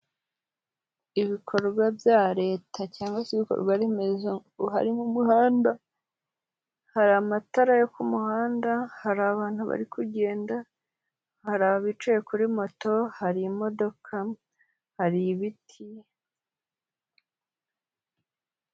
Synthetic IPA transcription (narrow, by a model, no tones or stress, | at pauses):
iβikʰo̞ɾɡwabjaɾe̞ːtʰacaːŋɡwaseβiko̰ɾɡwaɾemezoɡuɦa̰ɾimumuhaːnda | haɾamataɾajokumuhaːndahaɾaβaːn̥huβa̰ɾikʰuɟe̞ːnda | haɾaβaβit͡ʃejekuɾimo̞to̞haɾimo̞do̞kʰa | haɾiβitʰi